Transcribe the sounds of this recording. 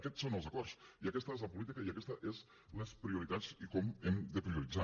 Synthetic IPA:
əkɛt͡sːonəlˠzəkɔrsiəkɛst̪əezləpulit̪ikəiəkɛst̪əʔez | unəspɾiuɾit̪at͡sikɔmemd̪əpɾiuɾid͡za

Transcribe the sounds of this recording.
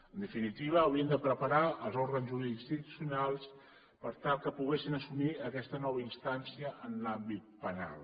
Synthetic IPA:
ənd̪əfinit̪iβəːwɾiənd̪əpɾəpaɾaəlˠzoɾɣənzuɾinst̪it̪u̥sjunalˠs | pəɾt̪alˠkəpuɣesinəsumiəkɛst̪ənɔβəinst̪ansiəʔːnlambit̪̚pəna̰lˠ

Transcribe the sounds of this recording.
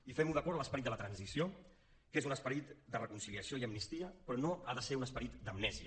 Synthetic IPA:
ifɛmuðəkɔɾələspəɾit̪̚d̪ələt̪ɾənzisio | kezunəspəɾit̪d̪ərəkunsiliəsioiəmnist̪iəpɾɔnoaðəseunəspəɾit̪d̪əmnɛziə

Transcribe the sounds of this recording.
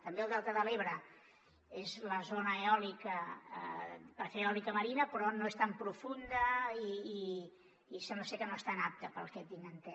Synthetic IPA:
t̪əmbeəlˠd̪ɛlˠt̪əðəleβ̞ɾə | ezləzonəeɔlikə̰ | pəɾfeɾɔlikəməɾinəpɾɔnoest̪ampɾufund̪əiː | sɛmbləsekənoest̪anap̚t̪əpəlˠkɛt̪̚d̪iŋənt̪ɛ

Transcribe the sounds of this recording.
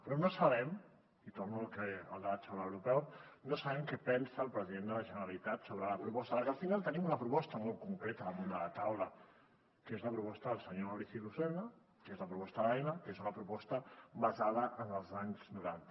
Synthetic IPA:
pɾɔnosɐβ̞ɛm | it̪ornulkeəlˠd̪at͡ʃawlaəwɾupɛwnosəβɛmkɛpɛnsəːlˠpɾəziðend̪ələʒənəɾalit̪at̪soβɾələpɾupɔst̪əaɾkəlˠfinalˠt̪ənimunɐpɾupɔst̪əmɔlˠtkuŋkɾet̪əðəmund̪ələt̪awlə | kezləpɾupɔst̪əðəlˠsəɲoawɾiθilusɛna | kezləpɾupɔst̪əðajnəkezunɐpɾupɔst̪əbazað̞əʔənəlˠzaɲznuɾant̪ə̥

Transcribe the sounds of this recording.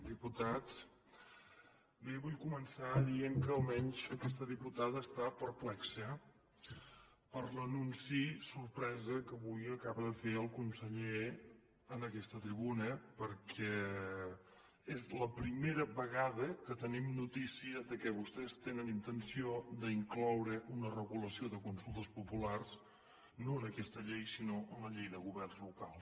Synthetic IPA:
d̪iput̪at͡s | beβujkumənsaðieŋkəːlˠmɛɲʃəkɛst̪əðiput̪aðəːst̪apəɾplɛksə | pəɾlənunsisuɾpɾɛzəkəβujəkaβəðəfeəlˠkunsəʎe | ənəkɛst̪ət̪ɾiβunəpəɾkʰɛ | ezləpɾimeɾəβəɣaðəkət̪ənimnut̪isiəðəkɛβust̪ɛst̪enənint̪ənsiod̪əiŋklɔwɾəʔunərəɣuləsioðəkunsulˠt̪əspupulars | noənəkɛst̪əʎejsinoʔənləʎejðəɣ̞uβɛrnzlukalˠ

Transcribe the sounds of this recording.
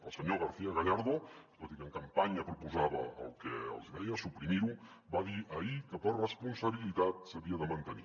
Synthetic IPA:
ə̰lˠsəɲoɣaɾθiaɣaʎaɾðot̪ot̪ikəŋkampaɲapɾupuzaβa̰ːlˠkeə̰lˠzɛjasupɾimiɾu | baðiʔaikəpərrəspunsaβilit̪at̪̚saβiaðəmant̪ənḭ

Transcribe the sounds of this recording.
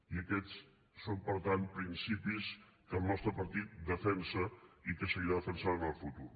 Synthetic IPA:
iəkɛt͡s | sompəɾt̪anpɾinsipiskəlˠnɔst̪ɾəpəɾt̪it̪̚d̪əfɛnsəikəsəɣiɾaðəfənsaənəlˠfut̪uɾ

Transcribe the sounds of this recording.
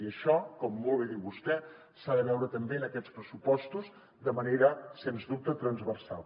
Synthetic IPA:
iəʃɔkɔmːɔlˠβeðiwβust̪ɛ | saðəβɛwɾət̪əmbeənəkɛt͡spɾəsupɔst̪uz | d̪əməneɾəsenzðup̚t̪ət̪ɾənzβərsa̰lˠ

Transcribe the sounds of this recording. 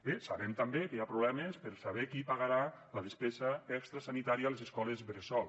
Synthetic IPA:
besaβemt̪ambekejapɾuβlɛmespəɾsaβekipaɣaɾalaðespezaɛkst̪ɾasanit̪aɾialezeskɔlezβɾesɔl

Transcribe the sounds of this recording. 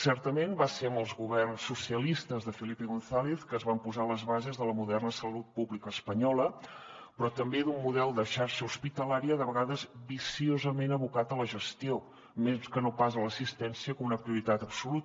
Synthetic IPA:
sɛɾt̪əmembaseɾəmbəlˠzɣuβɛrnsːusiəlist̪əzðəfilipiɣunθaleθkəːzβampuzaləzβazezðələmuðɛrnəsəlut̪̚puβlikəːspəɲɔlə | pɾɔt̪əmbed̪umːuðɛlˠd̪əʃaɾʃəuspit̪əlaɾiəðəβəɣaðəzbisiozəmenəβukat̪ələʒəst̪io | meskənopazələsist̪ɛnsiəkɔmunəpɾiuɾit̪at̪əpsulut̪

